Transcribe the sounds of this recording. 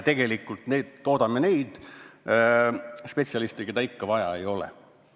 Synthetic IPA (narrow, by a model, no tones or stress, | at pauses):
t̪e̞ɡ̥e̞likːˑult̪ned̪t̪o̞ːd̪ɑmːene̞jd̪̥ | spe̞t̪siɑlist̪eke̞d̪ɑikːɑvɑjɑ̰e̞jo̞lḛ